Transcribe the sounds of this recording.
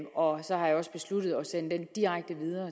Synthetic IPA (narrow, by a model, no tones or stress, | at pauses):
ɒ̽sɒ̽hɑ̈jɑ̈ɒ̽sb̥e̝slud̥ð̞̩ˠɒ̽sen̰d̥end̥iʁaɡ̥̚d̥əʋið̞ˠɐː